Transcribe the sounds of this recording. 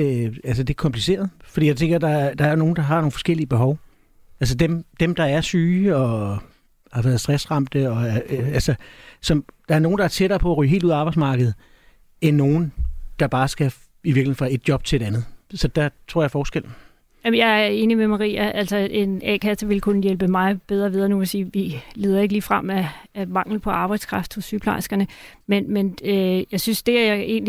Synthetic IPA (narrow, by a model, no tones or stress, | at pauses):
æls̬əd̥e̝æɐkʰɒ̽mpʰlise̝̰ːɐð̞̩ˠfɒ̽d̥ḭːjɑɪt͡sʰeŋɡ̥ɐd̥ɑ̈æd̥ɑ̈æɐno̝ːn̩d̥ɑ̈ɦɑ̈no̝ːn̩fɒsɡ̥el̰iəb̥e̝ɦɒʊ | ʔæls̬əd̥emd̥emd̥ɑ̈æɐsyːɒ̽ | hɑ̈ʋæːɐð̞ˠsd̥ʁɛsʁɑ̈m̰d̥əɒ̽ælsəsɒ̽md̥ɑ̈æɐno̝ːn̩d̥ɑ̈æɐt͡sʰeɾ̥ɐːpʰɒ̽æʁy̰ːɦe̝̰ːlduð̰ˠɑb̥ɑ̈ɪdsmɑ̈ːɡ̥ð̩ˠ | enːo̝ːn̩d̥ɑ̈b̥ɑ̈ːsɡ̥æ | iʋiɐɡ̥liheʁɑe̝d̥̚djɒ̽b̥̚t͡sʰe̝le̝d̥ænð̞̩ˠsɒ̽d̥æt͡sʰʁo̝ɐ̰jɑfɒːsɡ̥el̰n̩ | jæmnjɑ̈ɪæe̝ːnimemɑʁḭːæʔælsɒe̝nɛ̰ːkʰæsɐʋe̝lkʰunəjelb̥əmɑ̈ɪb̥eð̞ˠɐʋið̞ˠɐnuʋesiːʋile̝ːðˠɐeɡəliːfʁam̰ææmɑ̈ŋ̰l̩pʰɒ̽ʔɑ̈ːb̥ɑ̈ɪd̥skʰʁɑ̈fd̥hɔ̽sːyːpʰlɑ̈ɪsɡ̥ɐnəmenmenøjɑ̈ɪsynsd̥e̝æe̝̰ːn